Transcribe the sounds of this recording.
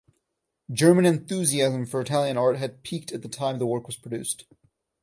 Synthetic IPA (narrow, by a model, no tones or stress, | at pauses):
dd͡ʒɜ˞mɨ̃nɨ̃nθʉziæzɨ̃ɱfə˞ɨtʰælˠjɨ̃nɑɹt̚ɦɨd̚pʰik̚tɨt̪̚ðɨtʰãɪ̃mðəwɜ˞kwʌz̥pʰɹ̥ədʉst